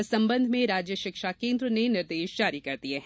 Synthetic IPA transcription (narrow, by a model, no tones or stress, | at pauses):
sɐ̃mbə̃nd̪ʱmẽɾaːd͡ʒjəʃɪkʃakẽːnd̪ɾənenɪɾd̪eːʃd͡ʒaːɾikɐɾd̪ieɦɛ